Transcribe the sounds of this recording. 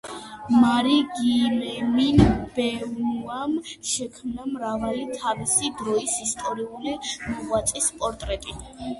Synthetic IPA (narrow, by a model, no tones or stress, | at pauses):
maɾiɡimɛminb̥ɛamʃɛkʰmnamɾavalit̪ʰavisid̪ɾɔisist̪ʼɔɾiulimɔʁwat̪sʼispʼɔɾt̪ʼɾɛt̪ʼi